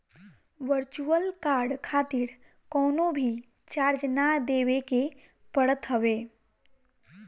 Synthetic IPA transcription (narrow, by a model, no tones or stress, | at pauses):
ʋəɾt͡ʃuəlkaːɾɖkʰaːt̪ɪɾ | kɔːnõbʱi | t͡ʃaːɾd͡ʒnad̪eːʋeke | pəɽət̪ɦəʋeː